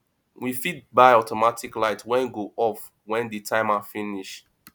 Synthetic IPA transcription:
wifit̚baɪɔtʰɔmatʰiklaɪtʰwɛ̃nɡoʔɔf | wɛ̃nditʰãɪmafiniʃ

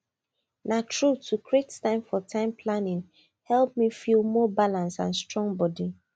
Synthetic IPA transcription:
natɹutʰukɹettãɪ̃mfɔtʰãɪ̃mpʰlanɪ̃ŋ | hɛlˠp̚mifilˠmɔbalãnsã̰nstɹɔ̃ŋbɔdi

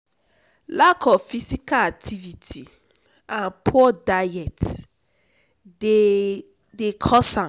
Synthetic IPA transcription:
lakʰɔfisikalak̚tʰivitʰi | ãnpʰɔdajɛt | e | dekʰɔsã

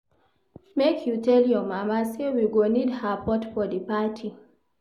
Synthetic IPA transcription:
mekʰjutʰɛljɔmamasewiɡonidhapɔtfɔdəpatʰi

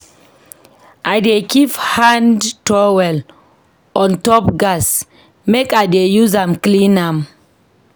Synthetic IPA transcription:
ʔaɪdekivhãndtɔwɛl | ɔ̃ntɔp̚ɡas | mekaɪdejuzãmklĩnãm

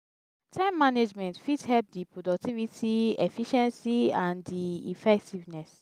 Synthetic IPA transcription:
tʰɛ̃mːaned͡ʒmɛ̃ntfithɛlp̚dipɹodɔk̚tivitʰiɛfiʃɛ̃nsiãndiḭfɛk̚tivnɛs

